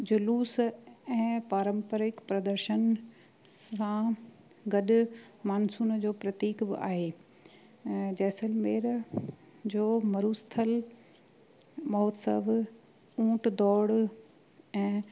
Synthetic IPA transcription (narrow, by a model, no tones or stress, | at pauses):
d͡ʑʊluːsɛ̃ːpaːɾə̃mpəɾɪkpɾɐd̪əɾʃən | sã | ɡɐɗʊ | maːnsuːnd͡ʑoːpɾɐt̪iːkbɪ̰ʔa̰ːɦeː | d͡ʑɛːsəlmeːɾ | d͡ʑoːmɐɾuːst̪ʰəl | mɔːt̪sə̰ʋ | ũːʈd̪ɔːɽ | ɛ̃ː